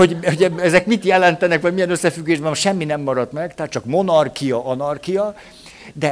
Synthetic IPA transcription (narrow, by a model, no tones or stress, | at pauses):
ho̞ɟho̞ɟɛɛzɛkmit̪jɛlɛnt̪ɛnɛkʋɒɟmijɛnøsːɛfyɡːeːʒbɛmʃɛmːinɛmːɒɾɒt̪mɛɡt̪ɛɦat̪̚t͡ʃɒkmo̞nɒrkijɒʔɒnɒrkijɒ | d̪ɛ